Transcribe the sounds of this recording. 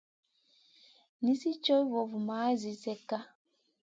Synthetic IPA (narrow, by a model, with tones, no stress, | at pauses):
ni˦si˦t͡ʃɔ˦i˦vɔ˨vu˨ma˨˦zi˨sɛ˦ka˦